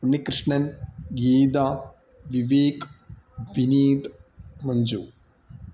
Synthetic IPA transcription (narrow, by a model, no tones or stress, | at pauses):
unːikɾɨʂɳɐnɡiːd̪a | ʋiʋeːk | ʋiniːd̪mɐɲd͡ʒṵː